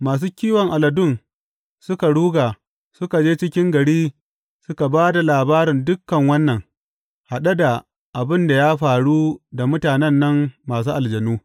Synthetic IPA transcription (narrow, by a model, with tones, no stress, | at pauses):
maː˨s̬uː˦kʲiː˦wɐ˨ŋʔa˨lɐ˨dʊ˦˨n | sʊ˦ka˨ɽuː˦ɡaː˨ | sʊ˦ka˨d͡ʒeː˦t͡ʃɪ˦kʲɪ˦ŋɡɐ˨ɽiː˦ | sʊ˦ka˨baː˦da˨laː˨baː˦ɾɪ˨ndʊ˦kːɐ˨ŋwɐ˦nːɐ˨ŋ | ha˨ɗɐ˦da˨ | ʔa˨bɪ˦nda˨jaː˦ɸaː˨ɽuː˦da˨mʊ˦taː˨nɛ˦nːɐ˦mːaː˨s̬uː˦ʔa˨ld͡ʒɐ˨nuː˦